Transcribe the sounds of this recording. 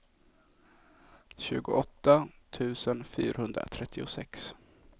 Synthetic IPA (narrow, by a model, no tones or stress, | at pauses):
ɕʉ̟̰ːɡʊʔɔt̪ːat̪ʰʉ̟ːsənfyːɾahɵnd̪ɾa̰t̪ʰɾɛt̪ʰːɪʊsɛks